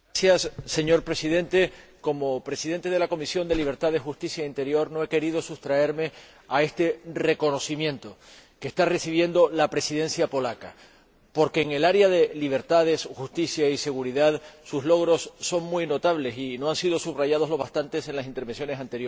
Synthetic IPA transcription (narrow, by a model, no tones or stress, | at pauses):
sjasːe̞ɲo̞ɾpɾe̞siðe̞nt̪e̞ko̞mo̞pɾe̞siðe̞nt̪e̞ð̞e̞lako̞misjo̞nd̪e̞liβ̞e̞ɾt̪aðe̞xust̪isjaint̪e̞ɾjo̞ɾno̞e̞ke̞ɾið̞o̞sust̪ɾae̞ɾme̞ | ae̞st̪e̞re̞ko̞no̞simjẽ̞nt̪o̞ke̞st̪are̞siβ̞je̞nd̪o̞lapɾe̞siðe̞nsjapo̞laka | po̞ɾke̞ːŋe̞laɾeaðe̞liβ̞e̞ɾt̪aðe̞sxust̪isjaise̞ɣ̞uɾiðaðsuslo̞ɣɾo̞sːo̞ŋmujno̞t̪aβ̞le̞sino̞ansið̞o̞suβraʝað̞o̞zloβast̪ant̪e̞se̞nlasint̪e̞ɾβe̞nsjo̞ne̞sant̪e̞ɾjo